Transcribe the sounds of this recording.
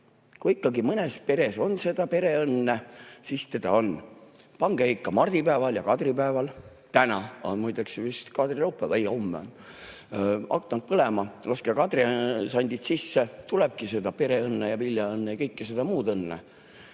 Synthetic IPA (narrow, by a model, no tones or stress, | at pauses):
kuikːɑɡimɤnespe̞ɾe̞so̞nse̞d̪̥ɑpe̞ɾe̞ɤnːesist̪e̞d̪̥ɑ̰o̞n | pɑŋɡ̥eeikːɑmɑrd̪̥ipæevɑljɑkɑd̪̥ripæevɑl | t̪ænɑo̰nmujd̪eksevist̪kɑd̪riɾɑwpːˑevæjo̞mːeon | ɑ̰kːˑɑnt̪̚pɤlemɑlɑskekɑd̪risɑnʲd̪ʲit̪sisːet̪uleb̥̚kise̞d̪̥ɑpe̞ɾe̞ɤnːejɑviljɑɤnːejɑkɤjkːise̞d̪̥ɑmuːd̪ɤnːḛ